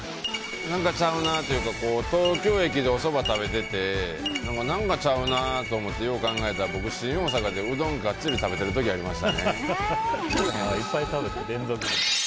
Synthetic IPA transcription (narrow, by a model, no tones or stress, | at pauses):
nãŋkat͡ɕaɯ̟nat̪o̞jɯ̟ːkako̞ːt̪oːkʲo̞ːe̞k̬ʲid̪e̞o̞so̞bat̪aβe̞t̪e̞t̪e̞nãŋkanãŋkat͡ɕaɯ̟nat̪o̞ːmo̞t̪ːe̞jo̞ːkãŋɡae̞t̪aɾabo̞kɯ̟ɕĩɰ̃o̞ːsakad̪e̞ɯ̟d̪õ̞ŋɡatt͡sɨɾʲit̪abe̞t̪e̞ɾɯ̟t̪o̞kʲiaɾʲimaɕi̥t̪ane̞̰ | eipːait̪abet̪ed̪ẽ̞nzok